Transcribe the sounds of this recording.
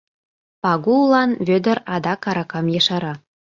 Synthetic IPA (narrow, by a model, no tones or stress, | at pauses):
pɑɡulˠɑnβʲød̪ə̆ɾɑd̪ɑkɑɾɑkɑmjeʃɑɾɑ